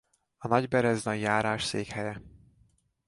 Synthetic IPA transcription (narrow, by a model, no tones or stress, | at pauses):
ɒnɒɟbɛɾɛznɒɟjaːɾaːʃseːkhɛjɛ